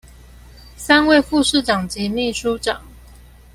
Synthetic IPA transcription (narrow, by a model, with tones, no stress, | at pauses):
sa˦nwe˥˧ɪfu˥˧ʂɻ̩˥˩ʈ͡ʂɑ˨˩ŋt͡ɕi˨˥mi˥˩ʂu˦ʈ͡ʂɑ˨˩˦ŋ